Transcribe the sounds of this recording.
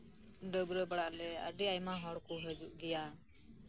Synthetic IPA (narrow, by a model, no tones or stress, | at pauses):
ɖəbɾəbaɽaʔlɛə̰ɖiajmaɦɔɽkuɦəd͡ʒuʔɡija